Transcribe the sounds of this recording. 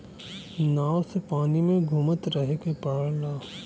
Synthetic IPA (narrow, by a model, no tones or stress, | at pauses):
naːwsepaːnimẽɡʱʊmət̪ɾəɦekepaːɽlaː